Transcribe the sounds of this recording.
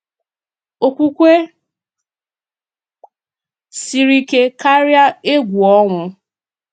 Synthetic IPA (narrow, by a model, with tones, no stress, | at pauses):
o˨kʷu˦kʷe˦ | si˨ɾi˨ke˦ka˦ɾja˦e˦ɡʷu˨ɔ˦ŋʷʊ˨